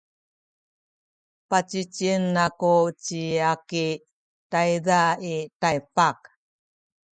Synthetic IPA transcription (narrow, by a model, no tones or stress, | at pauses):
pat͡ɕit͡ɕiənːakut͡ɕiaki | tajdaitajpak